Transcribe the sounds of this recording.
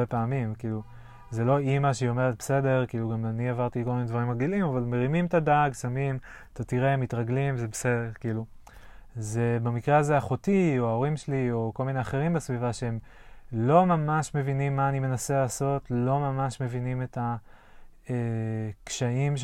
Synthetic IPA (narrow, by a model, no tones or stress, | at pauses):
epaːmimkiːlu | ze̞lo̞imaʃeo̞me̞ʁet̪̚bese̞de̞ʁkiːluɡamaniavaʁt̪ilko̞lminedvaʁimaɡilimavalme̞ʁimimtadaɡsamim | t̪atiʁemitʁaɡlimzebesedeʁkiːlu | zebamikʁeazeaχo̞tioao̞ʁimʃelio̞ko̞lmine̞aχeʁimbesvivaʃeem | lo̞mamaʃme̞vinimːaːnimenaselaːso̞tlo̞mamaʃme̞vinime̞ta | ekʃaimʃ